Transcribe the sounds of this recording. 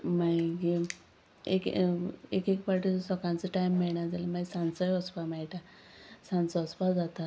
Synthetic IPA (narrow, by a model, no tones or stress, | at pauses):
maiɡi | ḛkekekpaʈisɔkãnt͡səʈajmːeɭɳjad͡zaləmãisãnsəjɔspamajʈa | sãnt͡sɔɔspad͡zat̪a